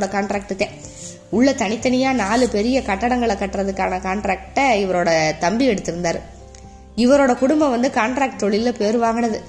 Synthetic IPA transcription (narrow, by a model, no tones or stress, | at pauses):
ɽɐkaːɳʈɾaːk̚ʈɯt̪ːẽː | ʊɭːɐt̪ɐnɪt̪ːɐnɐjaːnaːlɯpɛɾɪjɐkɐʈːɐɽɐŋɡɐɭɐkːɐʈːɾɐðɯkːaːnɐkaːɳʈɾaːk̚ʈːɐɪʋɐɾoːɽɐt̪ɐmbiɛɽɯt̪ːɪɾɯnd̪aːɾ | ɪʋɐɾoːɽɐkʊɽʊmbɐʋɐnd̪ɯkaːɳʈɾaːk̚ʈt̪ɔɭɪlɐpejːɾɯʋaːŋɡɐnɐðɯ